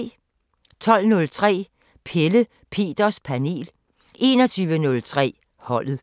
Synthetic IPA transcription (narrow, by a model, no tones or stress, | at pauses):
t͡sʰɒ̽l̰nɔ̽lt͡sʰʁɛ̰ː | pʰelə | pʰe̝̰ːd̥ɐspʰæne̝̰ːl | ʔe̝̰ːnɒ̽t͡sʰyːʋənɔ̽lt͡sʰʁɛ̰ː | hɒ̽l̰ð̩ˠ